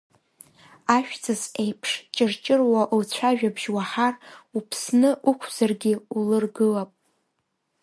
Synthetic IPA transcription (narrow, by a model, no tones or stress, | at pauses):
aʃᶣt͡sʰɨzejpʰʂt͡ʃʼɪrt͡ʃʼɪrwaʔlt͡ɕʷʰaʒᶣabʒwaħarupʰsnɨʔukʷʰz̥arɡʲɪulɨrɡɨlapʼ